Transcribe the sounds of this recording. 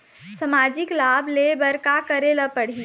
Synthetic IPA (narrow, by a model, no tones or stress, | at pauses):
sɐmaːd͡ʒɪklaːbʱlebɐɾkakəɾeːləpɐɽ̤i